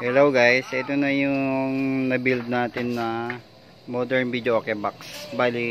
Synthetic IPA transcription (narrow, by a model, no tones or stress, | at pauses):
ʔɛlɐwɡajsʔɛt̪onɐjʊŋnɐbild̪̚naːt̪ɪnːɐ | mod̪ɛɹnbid̪joʔokɛbaksbaːli